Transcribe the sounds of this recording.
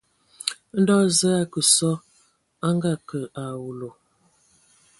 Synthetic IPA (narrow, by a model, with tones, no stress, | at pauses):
n̩˦dɔ˦zə˦a˦˨kə˨sɔ˦ | a˦ŋɡa˦˨kə˨a˨wu˨lo˨